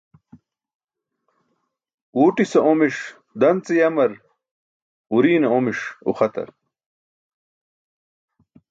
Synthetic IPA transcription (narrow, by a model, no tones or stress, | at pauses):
wuːʈisɐʔomiʂ | d̪ɐnt͡sejɐmɐɾ | uɾiːnɐomiʂṵxɐt̪ɐ̰ɾ